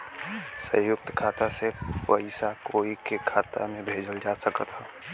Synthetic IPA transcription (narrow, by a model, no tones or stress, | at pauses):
sə̰̃jʊk̚t̪kʰaːt̪aseʋəɪsakoːikekʰaːt̪a̰mẽbʱeːd͡ʒəld͡ʒasəkət̪ɦɛː